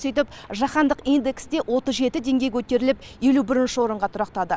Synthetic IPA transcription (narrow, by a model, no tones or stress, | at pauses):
set̪̬ɪpʒɑχɑnd̪əqijnd̪e̞ksd̪e̞ʔwʔo̞t̪əzʒe̞t̪ɪd̪e̞ŋɡʲe̞kʲʰɵt̪e̞ɾɪlɪpje̞lubɪɾɪnʃɪwo̞ɾəɴʁɑt̪ʰʊɾɑqt̪ɑd̪ə